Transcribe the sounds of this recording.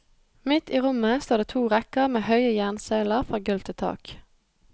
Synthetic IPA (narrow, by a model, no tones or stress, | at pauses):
mɪt̪iːʁʊməst̪uːʁd̪eːt̪ʰuːʁɛkəʁmeːhœʏəjæʁnseːləʁfʁɑːɡʉlt̪ʰɪt̪ʰɑ̰ːk